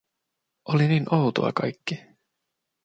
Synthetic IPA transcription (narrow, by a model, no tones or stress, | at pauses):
ʔoliniːnʔowt̪o̰ɑ̰kɑjkːi